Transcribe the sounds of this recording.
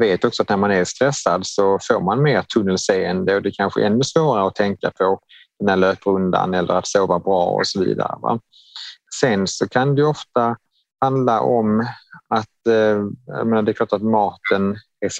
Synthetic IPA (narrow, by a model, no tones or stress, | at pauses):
veːt̪ɔksɔat̪̚næɾmanæɾst̪ɾɛsːad̪sɔfoːɾmanmeːɾt̪ʰɵnːəlseːənd̪əɔd̪ɛkʰanɧə̰ʔɛnːɵsvoːɾaɾəɔt̪ʰɛŋkapʰɔ | d̪̥ɛnæːɭløːpəɾɵnd̪a̰nɛlːə̰ɾat̪soːvabɾɑ̰ːɔ̰sɔvḭːd̪a̰ɾə̰va̰ | sɛnsɔkʰand̪ɛjɵɔft̪a | hand̪laʔɔmat̪ | j̰meːnaɖ̪ɛɾkʰlɑːʈat̪mɑːt̪ən | æ